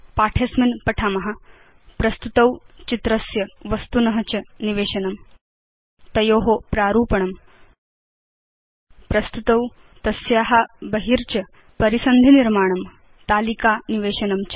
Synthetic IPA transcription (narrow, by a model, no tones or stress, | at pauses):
paːʈʰɐsminpɐʈʰaːmɐɦɐ̆ | pɾɐst̪ut̪ɐwt͡ɕit̪ɾɐsjɐʋɐst̪unɐɦɐt͡ɕɐniʋeːʃɐnɐm | t̪ɐjoːɦopɾaːɾuːpɐɳɐm | pɾɐst̪ut̪ɐw | t̪ɐsjaːɦɐbɐɦiɾt͡ɕɐ | pɐɾisɐnd̪ʱiniɾmaːɳ̃ɐm | t̪aːlikaːniʋeːʃɐnɐmt͡ɕ